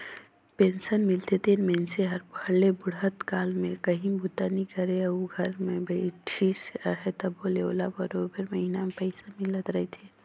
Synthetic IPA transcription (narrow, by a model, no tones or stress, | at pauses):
pensənmɪlt̪et̪enmɛnseɦəɾbʱəɽebʊɽət̪kaːlmẽkəɦĩbʱut̪anikəɾeəuɡʱəɾmẽbʱəiʈʰisəɦɛt̪ɔboleo̰labəɾobəɾməɦinamepəɪsamɪlət̪ɾəɦet̪ʰi